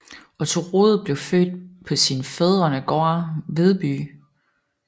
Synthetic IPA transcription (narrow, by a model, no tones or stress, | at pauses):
ɒ̽t͡sʰo̝ʁo̝ːð̩ˠb̥le̝ʊfø̰ːd̥̚pʰɒ̽sinfeðˠʁɐnəɡ̥ɒɐʋe̝ð̞ˠb̥y̰ː